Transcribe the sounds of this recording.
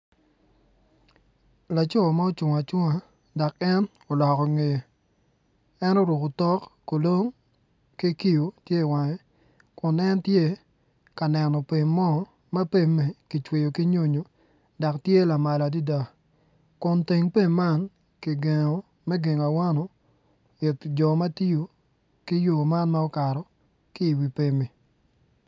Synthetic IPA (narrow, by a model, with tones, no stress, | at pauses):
la˨t͡ʃɔ˦˨ma˦o˦t͡ʃʊ˨ŋa˨t͡ʃʊ˦ŋa˨ | da˨kɛ˦n | ɔ˨lɔ˨kɔ˨ŋe˨ | ɛ˦no˦ɾu˨kʊ˨tɔ˦kːo˨lo˦ŋ | ki˦ki˦jo˨tje˦˨wa˨ŋɛ˦ | kʊ˨nɛ˦ntje˦ | ka˨nɛ˨nɔ˨pe˨ŋːɔ˦ | ma˦pe˦˨me˨ki˨t͡ʃwe˨jo˨ki˦ɲo˦ɲo˨˦ | da˨ktje˦la˨ma˨la˨di˦da˨ | kʊ˨nte˨ŋpe˦mːa˦n | ki˨ɡe˨ŋo˨ | mɛ˦ɡe˨ŋa˨wa˦nɔ˨ | jɪ˨td͡ʒɔ˨mɐ˦ti˦jo˨ | ki˦jo˨ma˦nma˦ɔ˦ka˨ɾɔ˨ | ki˦i˨wi˨pe˨mi˨